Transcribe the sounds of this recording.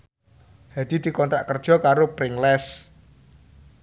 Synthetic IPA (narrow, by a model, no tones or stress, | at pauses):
had̪̥id̪̥i̤kɔnt̪ɾaʔkərd̥ʒ̥ɔ̤kaɾopɾɪŋlɛs